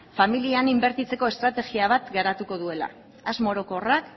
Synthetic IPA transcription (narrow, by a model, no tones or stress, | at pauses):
familianimbe̞ɾt̪it͡se̞ko̞e̞st̪ɾat̪e̞ɣiaβ̞at̪ɡaɾat̪uko̞ðue̞la̰ː | zmo̞ɾo̞korak